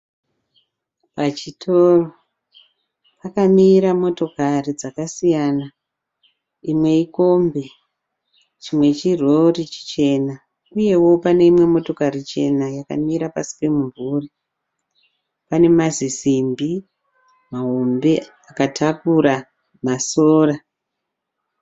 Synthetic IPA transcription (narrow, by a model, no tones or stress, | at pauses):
pat͡ʃitʰoro | pakamiɾamo̞to̞karid͡zakasijana | imwe̞iko̞mbe̞ | t͡ʃimwe̞t͡ʃiro̞rit͡ʃi̥t͡ʃe̞na | uje̞wo̞pane̞imwe̞mo̞to̞karit͡ʃe̞najaka̰miɾapasi̥pe̞muɱvuri | pane̞mazisimbi | maɦombe̞ | akatʰakuɾa | masoːra